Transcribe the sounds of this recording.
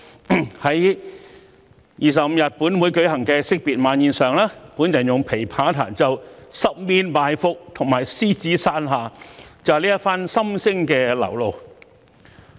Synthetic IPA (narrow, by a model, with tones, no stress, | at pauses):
hɐ˨˦˥j | jiː˨˧s̬ɐ˨p̚m̩˧jɐ˨t̚puː˨˥nmwuː˨˧˥jkɵ˨˥ɥhɐ˨˩ŋkɛː˧sɪ˥k̚piː˨t̚maː˨˧˥njiː˨˧nsœː˨ŋlaː˥puː˨˥njɐ˨˩njʊ˨ŋpʰe˨˩jpʰaː˨˥t̪ʰa̰ː˨˩nt͡sɐ˨wsɐ˥p̚miː˥nmaː˨˧jfʊ˨k̚t̪ʰʊ˨˩ŋmaː˨˩jsiː˥t͡siː˨˥saː˥nɦaː˨t͡sɐ˨˧liː˥jɐ˥tfaː˥nsɐ˥msɪ˥ŋkɛː˧lɐ̰˨˩wlo˨˧w